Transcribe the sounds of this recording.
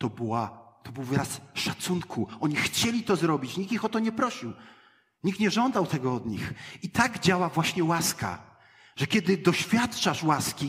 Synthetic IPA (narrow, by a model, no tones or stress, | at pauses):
t̪ɔbɨwat̪ɔbɘwvɾasʂat̪sunkʰuɔɲixt͡ɕɛlʲit̪ɔzɾɔbʲit͡ɕɲikixɔt̪ɔɲɛpɾɔɕiw | ɲik̪̚ɲɛʐɔnd̪awt̪ɛɡɔɔd̪ɲḭxit̪aɡd͡ʑawavwaɕɲɛwaska̰ | ʐ̥ɛkʲɛd̪ɘd̪ɔɕfʲjat̪t͡ʂaʂwaskʲi